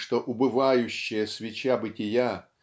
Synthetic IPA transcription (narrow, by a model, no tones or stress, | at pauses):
ʂt̪oʔʊbɨvajʊɕːɪjəsvʲɪt͡ɕabɨtʲɪja